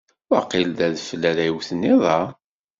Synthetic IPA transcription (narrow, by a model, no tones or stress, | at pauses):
wɑ̰qːɪld̪æðfəlːæɾæjwθənːiðˤɑ